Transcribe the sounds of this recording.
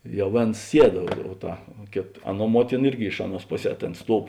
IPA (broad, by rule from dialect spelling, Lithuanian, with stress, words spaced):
ˈjɛʊ ˈʋʲeːns ˈsʲiɛt oː ˈtɐ ˈkʲeːt ˈɑːˌnuɔ ˈmuɔtʲɪnɐ ˈɪrʲɡʲɪ ˈɪʃ ɐˌnuɔs ˈpoːˌsʲɛː ˈtʲeːn ˈstuɔw